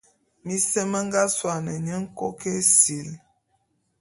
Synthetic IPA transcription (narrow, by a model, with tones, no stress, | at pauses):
mi˦sə˦mə˦ŋ˦ɡa˦swa˨nə˨ɲə˦ŋ̩˦ko˦ke˦si˨l